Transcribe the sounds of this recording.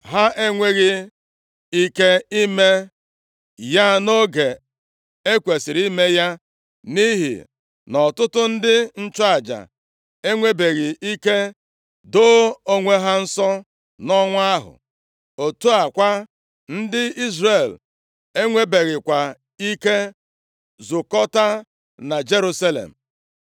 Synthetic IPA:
ɦa˦ʔe˦ŋʷe˦ɣɪ˦ | i˦ke˦i˦me˦ | ja˦no˦ɡe˨ | e˦kʷe˨sɪ˨ɾi˦me˦ja˦ | ni˦ɦḭ˨ | nɔ˨tʊ˦tʊ˦n̩˦dɪ˦n̩˦t͡ʃɔ˦a˨d͡ʒa̰˨ | e˦ŋʷe˦be˨ɣɪ˨i˦ke˦ | do˦o˦ŋʷe˦ɦa˦n̩˦sɔ˦ | nɔ˦ŋʷ˦a˦ɦʊ̰˨ | o˨tu˦a˨kʷa˦ | n̩˦dɪ˦i˦zre˨l | e˦ŋʷe˦be˨ɣɪ˨kʷa˨ | i˦ke˦ | zʊ˨kɔ˦ta˦ | na˨d͡ʒe˦ɾu˦sa˦lḛ˨m̩˨

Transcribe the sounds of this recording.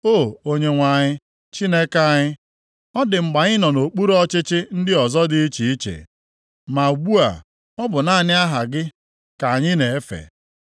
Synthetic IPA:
o˦˨o˦ɲe˨ŋʷa˨ɲɪ˦ | t͡ʃi˦ne˦ka˦˨ɲɪ˦ | ɔ˦dɪ˨ŋ͡m̩˨ɡ͡ba˨ɲɪ˦nɔ˨no˨k͡pu˦ɾɔ˦t͡ʃɪ˦t͡ʃɪ˦n̩˦dɪ˦ɔ˨zɔ˦dɪ˦i˦t͡ʃi˨i˦t͡ʃḛ˨ | ma˨u˨ɡ͡bu˦a̰˨ | ɔ˦bʊ˨na˦˨nɪ˦a˦ɦa˨ɡɪ˦ | ka˨ɲɪ˦ne˨e˦fḛ˨

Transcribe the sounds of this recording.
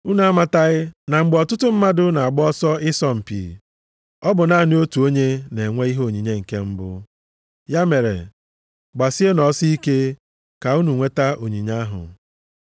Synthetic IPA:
u˦na˨a˦ma˨ta˦ɣɪ˦na˨ŋ͡m̩˨ɡ͡bɔ˨tʊ˦tʊ˦m̩˦ma˦dʊ˦na˨a˨ɡ͡bɔ˦ɔ˦sɔ˦ɪ˦sɔ˦m̩˨pḭ˨ | ɔ˦bʊ˨na˦˨n˦o˦tu˨o˦ɲe˦ne˨ŋʷe˦i˦ɦo˦o˨ɲi˨ɲe˦ŋ̩˨ke˦m̩˦bʊ̰˦ | ja˦me˨ɾḛ˨ | ɡ͡ba˨si˦e˦nɔ˨˦si˦i˦ke˦ | ka˨u˦nu˨ŋʷe˦ta˦ʔo˨ɲi˨ɲa˦ɦʊ̰˨

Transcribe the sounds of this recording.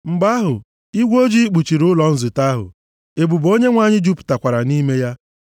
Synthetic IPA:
m̩˨ɡ͡ba˦ɦʊ˨ | i˦ɡʷo˦d͡ʒi˦i˦k͡pu˨t͡ʃi˨ɾʊ˦lɔ˨n̩˦zʊ˨ta˦ɦʊ̰˨ | e˨bu˨bo˦ɲe˦ŋʷa˨ɲɪ˦d͡ʒu˦pu̥˨ta˨kʷa˨ɾa˨ni˦me˦ja˦

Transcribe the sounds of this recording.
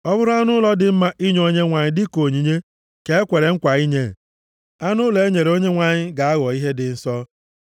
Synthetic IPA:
ɔ˦bʊ˦ɾʊ˦a˦nʊ˦lɔ˦dɪ˨m̩˦ma˦ʔi˦ɲ˦o˦ɲe˦ŋʷa˨ɲɪ˦dɪ˦ko˨ɲi˨ɲe˦ | ke˨e˦kʷe˨ɾe˨ŋ̩˦kʷa˨i˦ɲe˦˨ | a˦nʊ˦le˨e˦ɲe˨ɾe˨o˦ɲe˦ŋʷa˨ɲɪ˦ɡa˨a˦ɣɔ˨i˦ɦe˦dɪ˨n̩˦sɔ˦

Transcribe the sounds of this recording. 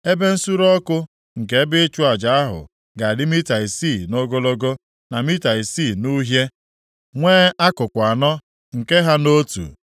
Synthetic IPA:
e˦be˦n̩˦su˦ɾɔ˦kʊ˦ | ŋ̩˨ke˦bɪ˦t͡ʃu˦a˨d͡ʒa˨a˦ɦʊ̰˨ | ɡa˨dɪ˦mi˦ta˨i˨si˦˨no˦ɡo˦lo˦ɡo˦ | na˨mi˦ta˨i˨si˦˨nu˦ɦje˦ | ŋʷeː˦a˦kʊ˨kʷa˨nɔ˦ | ŋ̩˨ke˦ɦa˦no˦tṵ˨

